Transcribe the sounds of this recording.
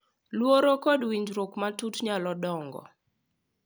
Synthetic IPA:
lwoɾokɔdwiɲd͡ʒɾokmatutɲalɔdɔŋɡɔ̰

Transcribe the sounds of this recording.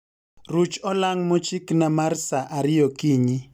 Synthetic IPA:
rut͡ʃɔlaŋmɔt͡ʃiknamarsaʔaɾɪjɔkiɲi

